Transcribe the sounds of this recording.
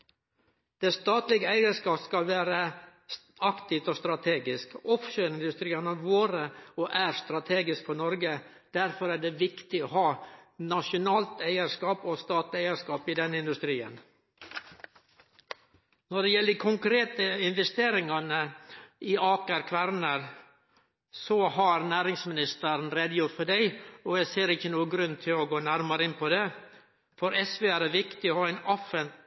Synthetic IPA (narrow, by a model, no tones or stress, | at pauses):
d̪̥ɛst̪ɑːt̪lɪɡəæɪəskɑːpskɑlʋæːɾə | ɑkt̪ɪft̪ɔst̪ɾɑt̪ʰeːɡɪskɔfʃøːɾɪnd̪ʉst̪ɾiːənɑɾʋoːɾəɔʔæɾst̪ɾɑt̪ʰeːɡɪskfɔɳɔɾɡə | d̪̥æɾfɔɾæɖɛʋɪkt̪ɪɔhɑːnɑʂʊnɑːlt̪æɪəʂkɑːpɔst̪ɑːt̪lɪæɪəʂkɑːpɪd̪ɛnəɪnd̪ʉst̪ɾiːə̰n | nɔɖɛjɛlːəkʰʊŋkɾeːt̪əɪnʋɛst̪eːɾɪŋɑnəʔɪɑːkəɾkʰʋæɾnəɾ | sɔhɑɾnæːɾɪŋsmɪnɪst̪əɾnɾeːd̪əjʊɾt̪fɔɖæɪɔjæɪseːɾɪçːənuːəɡɾʉnːt̪ʰɪlɔɡoːnæɾmɑɾəɪnpʰɔd̪ɛ | fɔɾɛsʋeːæːɖeʋɪkt̪ɪɔhɑːæɪnɔfən